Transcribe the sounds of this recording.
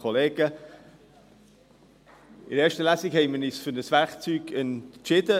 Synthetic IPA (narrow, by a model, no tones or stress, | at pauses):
oleːɡə | ɪɾeːɾʃtəlæsɪkhɛɪmənisfʏɾnəsvæɾkt͡syːɡɛntt͡ʃɪd̥ə